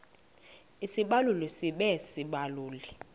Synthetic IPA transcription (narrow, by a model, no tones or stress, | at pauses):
isiɓalulisiɓɛsiɓaluːli